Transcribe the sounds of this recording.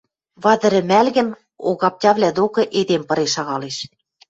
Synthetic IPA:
βɑd̪ə̆ɾɘ̆mælɣɘ̆n | o̰ɣɑp̚tʲɑβlʲæd̪okɤ̆ʔed̪empɤ̆ɾeʃɑɣɑleʃ

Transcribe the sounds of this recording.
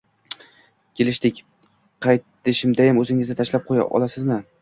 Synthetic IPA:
kʲʰe̞lɪʃt̪ɪkʲ | qʰɑjt̪ːɪʃɪmd̪ajamɵzɪŋɪznɪt̪ʰaʃlap̚qʰoja̰ʔɒ̰lˠasɪzmɪ

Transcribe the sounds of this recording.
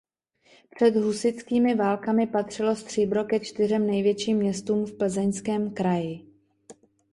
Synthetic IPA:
pr̝̥ɛd̪ɦusɪt͡skiːmɪvaːlkamɪpat̪r̝̥ɪlo̞st̪r̝̥iːbɾo̞kɛt͡ʃt̪ɪrɛmnɛjvjɛt͡ʃiːmːɲɛst̪uːmfpl̩zɛɲskɛːmkɾajɪ

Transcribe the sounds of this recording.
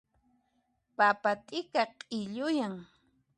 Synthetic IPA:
papat̪ʼɪkaqʼɪʎʊjaŋ

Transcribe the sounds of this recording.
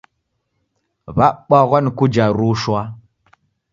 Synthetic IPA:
vaɓaɣʷankud͡ʒaɾuʃuwa

